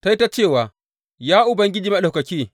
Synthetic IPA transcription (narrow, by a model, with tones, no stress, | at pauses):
ta˦i˦ta˦t͡ʃeː˦˨waː˨ | jaː˦ʔʊ˨bɐ˦ŋɡʲɪ˦d͡ʒi˨ma˦˨ɗa˨kɐ˨kʲiː˦